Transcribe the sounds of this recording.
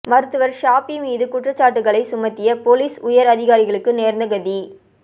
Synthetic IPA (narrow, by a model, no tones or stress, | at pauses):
mɐɾɯt̪ːɯʋɐɾʂaːpimiːðɯkʊʈrɐt͡ʃːaːʈːɯɣɐɭɐɪsʊmɐt̪ːɪjɐpoːliːsʊjɐɾɐðɪɣaːɾɪɣɐɭɯkːɯneːɾnd̪ɐɣɐði